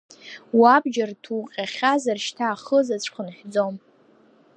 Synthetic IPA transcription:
wabd͡ʒartʰuqʲʼaχʲazarʃtʰaːχəzat͡ɕʷʰʼχənħʷᶣd͡zom

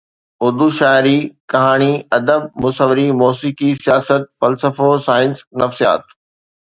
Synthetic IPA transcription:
ʊɾd̪uʃaːɪɾikɐɦaːɽ̃iɐd̪əbmʊsəʋɪɾimɔːsiːkisijaːsət̪̚fɐlsəfosaːɪnsnɐfsija̰ːt̪

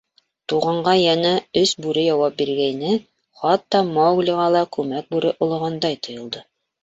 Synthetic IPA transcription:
t̪uʁɑɴɢɑjɑnæɵsbʉɾɘjɑwɑp̚biɾɡæjnɘ | χɑt̪ːɑmɑwɡlʲiʁɑlˠɑkʉmæk̚bʉɾɘʔŏlˠŏʁɑnd̪ɑjt̪ŏjɤ̆lˠd̪ɤ

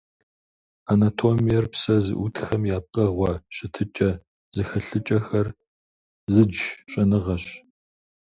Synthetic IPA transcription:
anatʰoːmijɛrpsɐzɨ̰ʔutʰxɐmjaːp̚qʼɐʁʷɔɕʼɪtʰɨt͡ʃʼɐ | zɨxɐɬɨt͡ʃʼɐxɐr | zɨd͡ʒɕʼɐnɨʁɐɕ

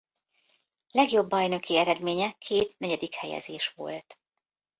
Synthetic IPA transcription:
lɛɡjo̞bːɒjnø̞kiɛɾɛd̪meːɲɛkʰeːt̪nɛɟɛd̪ikhɛjɛ̰zeːʃʋo̞̰lt̪

